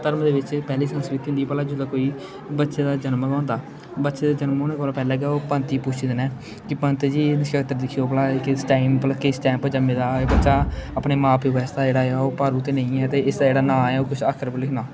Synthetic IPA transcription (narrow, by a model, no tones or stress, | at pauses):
t̪əɾmd̪eːʋɪt͡ʃpɛːliːsə̃nskɾɪt̪iːɦʊnd̪iːpəlaːd͡ʒʊd̪aːkoːiː | bətːʃeːd̪aːd͡ʒənməɡãːnd̪aː | bətːʃeːd̪aːd͡ʒənmoːnãːkːlaːpɛːlɛːɡaːoːpənt̪iːpʊt͡ʃʰːd̪ənɛː | kɪpənt̪ed͡ʒiːnɪʃkəkt̪əɾd̪ɪkʰːioːpəlaːkɪsʈaːimpələkesʈɛ̃ːmpːd͡ʒəmːẽːd̪aːeːbətːʃaːəpneːmaːpʰeːʋɛːɪsd̪aːd͡ʒeːɽaːaoːpaːɾũːt̪eːnəĩːɛːt̪eːɪsd̪aːd͡ʒeːɽaːnãːɛːoːkʊt͡ʃʰaːkʰəɾpəlɪkʰnaː